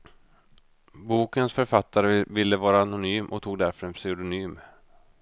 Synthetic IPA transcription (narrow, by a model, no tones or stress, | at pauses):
buːkənsfœɾfat̪ːaɾəvɪlːəvɑːɾaːnʊnyːmʔɔ̰kt̪ʰuːɡ̚d̪æɾfœɾɛnpsɛd̪ʊnyːm